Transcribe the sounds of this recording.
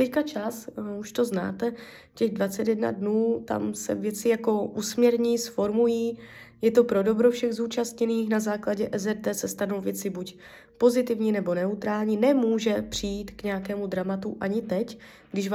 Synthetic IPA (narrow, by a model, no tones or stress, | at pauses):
t̪ɛckat͡ʃasuʃt̪o̞zna̰ːt̪ɛ | cɛɣdvat͡sɛt̪jɛdna̰dnuːt̪a̰msɛ̰vjɛt͡sɪjako̞ʔusmɲɛɾɲisfo̞ɾmujiː | jɛt̪o̞pɾo̞do̞bɾo̞fʃɛɣzuːt͡ʃast̪ɲɛniːxnazaːklaɟɛʔɛzɛrd̪ɛsɛst̪ano̞wvjɛt͡sɪbuc | po̞zɪt̪ɪvɲiːnɛbo̞nɛut̪ɾaːlɲiːnɛmuːʒɛpr̝̥ijiːt̪kɲɛjakɛːmud̪ɾamat̪uʔaɲɪt̪ɛc | ɡdɪʃv